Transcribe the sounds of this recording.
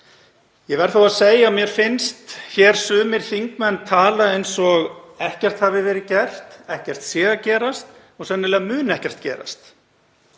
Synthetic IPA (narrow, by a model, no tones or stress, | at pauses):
jɛvɛɾ̥θawaðseːjaɔmjɛɾ̥fɪnst̪çɛːɾ̥sʏːmɪɾ̥θiŋkmɛnːt̪ʰaːlaejnsɔɣɛhcɛr̥t̪havɪvɛːɾɪcɛr̥t̪ɛhcɛr̥t̪sɛːɣacɛːɾast̪ | ɔɣsɛnːɪlɛːɣamʏːnɛhcɛr̥t̪cɛ̰ːɾa̰st̪